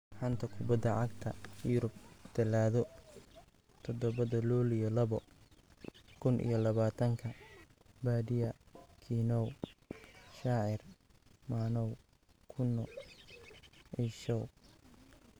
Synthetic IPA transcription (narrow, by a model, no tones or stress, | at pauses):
ħɐnt̪ʰɐkʰʊbɐd̪ːɐʕɑɡ̚t̪ʰɐjʊɾʊb̚d̪̥ɐlaːðɔ | t̪ʰɔd̪ɔβɐðɐlulijɔlɐβɔ | kʰʊnʔḭjɔlɐβaːt̪ʰɐŋkʰɐ | baːdɪjɐkʰinɔw | ʃaʕɪrmaːnɔw | kʰʊnːɔ | ɛʃɔw